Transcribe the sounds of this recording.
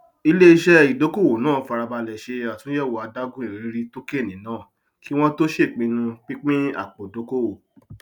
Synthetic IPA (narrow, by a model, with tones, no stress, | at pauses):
i˧le˦i˦ʃɛ˦i˨do˨˦ko˦˨wo˨nãː˦˨fa˧ɾa˧ba˧lɛ˨ʃe˧a˨tũ˨˦jɛ˦˨wo˨a˨˧da˦ɡũ˦i˨ɾi˨ɾi˦ɾi˧to˦ke˦˨nĩ˨˦nãː˦˨ | ki˦w̃ɔ̃˦to˦ʃe˦˨k͡pĩ˧nũ˧k͡pi˦k͡pĩ˦a̰˦˨k͡po˨do˨˦ko˦˨wo˨